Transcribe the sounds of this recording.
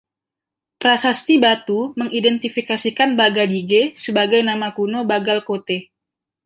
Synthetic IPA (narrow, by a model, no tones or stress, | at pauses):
pɾasast̪ibat̪uməŋidɛnt̪ifikasikanbaɡadiɡesəbaɡajnamakunobaɡalkot̪e